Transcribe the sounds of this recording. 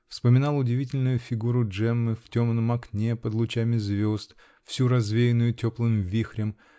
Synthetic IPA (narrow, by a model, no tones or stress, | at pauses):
fspəmʲɪnɑlˠʊdʲɪvʲitʲɪlʲnʊjʊfʲɪɡuɾʊʐɛmːɨftʲo̞mnəmɐknʲepəd̪lˠʊt͡ɕamʲɪzvʲo̞st̪ | fsʲuɾɐzvʲejɪnʊjʊtʲoplˠɨmvʲixɾʲɪm